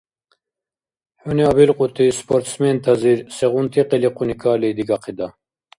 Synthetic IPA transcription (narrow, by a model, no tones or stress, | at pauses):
huniabilqʼut̪ispoɾt̪sment̪ʰɐziɾseʁunt̪ʰiqiliqʰunikʰaːlid̪iɡɑqʰid̪ɐ